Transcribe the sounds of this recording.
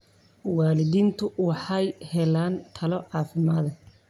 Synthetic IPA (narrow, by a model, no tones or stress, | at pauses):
wɑːlɪðiːnt̪ʰʊwɑħɑjhɛlaːnt̪ʰɐlɔʕɑːfɪmaːðɐ